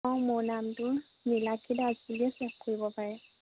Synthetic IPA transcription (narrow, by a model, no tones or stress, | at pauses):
awmʊɹnamtʊn | nilakʰidazbuliɛsɛxkoɹibɔpaɹɛ